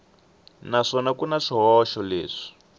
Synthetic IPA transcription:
naʂɔnakunaʂiɦɔʃɔleːʂi̥

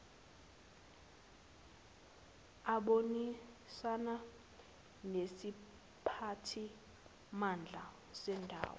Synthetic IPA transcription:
aɓoni | sana | nesi | pʰatʰi | mand͡ɮʱa | sɛndʱa̰ːwɔ

